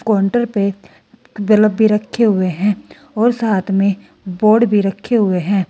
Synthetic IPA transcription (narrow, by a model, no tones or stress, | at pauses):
kɔːɳʈəɾpe | bələbbʱiɾɐkʰːeɦʊeɦɛ̃ː | ɔːɾsaːt̪ʰmẽ | boːɖbʱiɾɐkʰːeɦʊeɦɛ̃ː